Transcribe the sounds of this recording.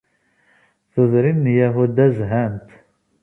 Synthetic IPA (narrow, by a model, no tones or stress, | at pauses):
θəðˤɾinːjæɦud̪æzɦænt̪